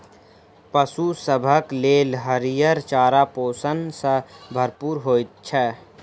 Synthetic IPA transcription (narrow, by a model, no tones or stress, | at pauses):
pəsusəbʱəkleːlɦəɾijəɾt͡ʃaːɾapoːsənsəbʱəɾpuːɾɦoːit̪̚t͡ʃʰɛ